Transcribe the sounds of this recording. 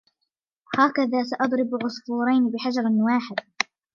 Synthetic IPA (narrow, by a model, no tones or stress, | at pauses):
haːkaðaːs̬aʔɑd̪ˤɾɪbʕʊsfuːɾˤɑjnbɪħad͡ʒɑɾˤwaːħɪd̪